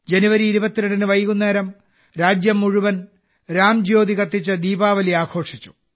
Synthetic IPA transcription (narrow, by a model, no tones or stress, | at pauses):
d͡ʑe̞nuʋɐɾiːɾubɐt̪ːiɾɐɳɖinɨʋɐjkunːeːɾɐm | ɾaːd͡ʑjɐmːuɻuʋɐn | ɾaːmd͡ʑo̞ːd̪ikɐt̪ːit͡ɕːɐd̪iːbaːʋɐliaːkʰo̞ːʂit͡ɕːu̥